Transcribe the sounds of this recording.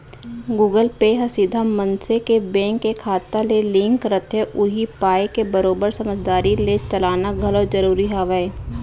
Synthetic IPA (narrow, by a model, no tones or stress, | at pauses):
ɡuːɡəlpeɦɐsid̪ʱamə̃nsekebɛ̃ːŋkːekʰaːt̪alelɪ̃ŋkkəɾət̪ɦɛʔʊɦipaːekebəɾoːbəɾsɐməd͡ʒd̪aːɾilet͡ʃɐlaːnaɡʱɐlod͡ʒəɾuːɾiɦaːʋɛe